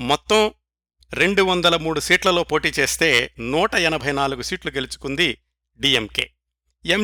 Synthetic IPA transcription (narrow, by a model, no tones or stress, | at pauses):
mɔt̪ːɐm | ɾe̞ɳɖuʋɐnd̪ɐlɐmuːɽusiːʈlɐlo̞ːpo̞ːʈiːt͡ʃe̞ːst̪e̞ːnuːʈɐɛnɐbʱɐjnaːluɡusiːʈluɡe̞lut͡ʃu̥kund̪i | ɖiːemkḛː | em